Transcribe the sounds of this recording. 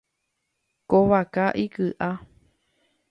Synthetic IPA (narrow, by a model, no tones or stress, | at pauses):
koβakaʔikɨʔa